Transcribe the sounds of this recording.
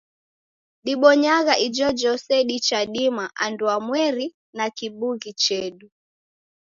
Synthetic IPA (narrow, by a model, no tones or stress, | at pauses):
ɗiɓɔɲaɣaʔid͡ʒɔd͡ʒɔsɛɗit͡ʃaɗimaʔanduamwɛɾi | nakiɓuɣit͡ʃɛɗu